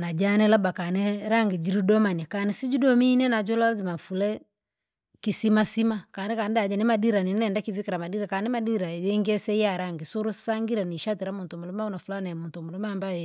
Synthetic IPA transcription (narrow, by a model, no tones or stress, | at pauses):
nad͡ʒanɛlabakanɛɾaŋɡid͡ʒiɾidɔmanakanisid͡ʒudɔminɛnad͡ʒɔlazimafulɛ | kisimasimakanɛkandad͡ʒanimadiɾaninɛndakivikaɾamadiɾakanimadiɾajɛŋɡɛsɛijaɾaŋɡisoɾosaŋɡiɾaniʃatɛɾamuntɔmulɛmaunafulanɛmuntɔmulɛmambawɛ